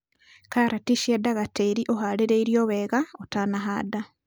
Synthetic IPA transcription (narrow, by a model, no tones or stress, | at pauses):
kaɾatiʃedaɣateɾiʔoɦaleɾeiɾjoːβeːɣaotanaɦa̰ːda